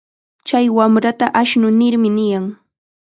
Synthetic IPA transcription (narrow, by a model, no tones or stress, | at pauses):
t͡ʃajwamɾat̪aʔaʃnʊnɪɾmɪnɪjaŋ